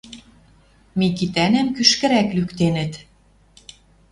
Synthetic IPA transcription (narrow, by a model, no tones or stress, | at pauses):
mikit̪ænæmkyʃkɘ̆ɾæklykt̪enɘ̆t̪